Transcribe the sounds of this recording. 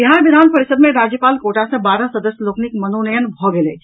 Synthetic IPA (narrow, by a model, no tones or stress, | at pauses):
iɦaʋid̪ʱaːnpəɾisəd̪mẽɾad͡ʑjəpaːlkoʈasẽbaːɾəsəd̪əsjəloːknikmənonəjənbʱɔɡeleː